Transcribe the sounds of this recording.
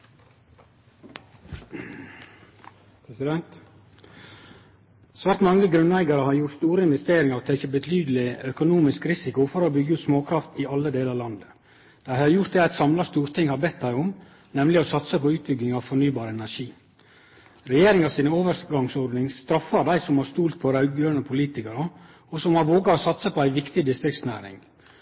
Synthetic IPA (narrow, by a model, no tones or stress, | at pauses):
pɪd̪ɛnt̪ | sʋæːɾt̪mɑŋːəɡɾʉnlæɪɡɑɾəhɑɾjʊɾʈst̪uːɾəɪnʋɛst̪eːɾɪŋəɾot̪ʰɛːkəbət̪ʰyːd̪lɪœkʊnuːmɪskɾɪsɪkʊfɔɾoːbʏɡːəʉːt̪smoːkʰɾɑft̪ɪɑlːəd̪eːlɑlɑnd̪ə | d̪̥æɪhɑɾjʊt̪̚d̪ɛæɪt̪sɑmlɑst̪uːɾt̪ʰɪŋhɑɾbɛt̪̚d̪æɪʊm | nɛmlɪɔsɑt̪səpʰɔʉːt̪̚bʏɡnɪŋɑʋfɔnyːbɑːɾəɛnæʂiː | ɾɛjeːɾɪŋɑsiːnəoːʋəɾɡɑŋsɔɖ̪nɪŋst̪ɾɑfːɑɾd̪æɪsɔmhɑɾst̪uːlt̪̚pʰɔɾɑʉɡɡøːnəpʰʊliːt̪ɪkəɾə | ɔsɔmhɑɾʋoːɡɑɾɔsɑt̪səpʰɔæɪʋɪkt̪ɪd̪ɪst̪ɾɪkt̪snæːɾɪ̰ŋ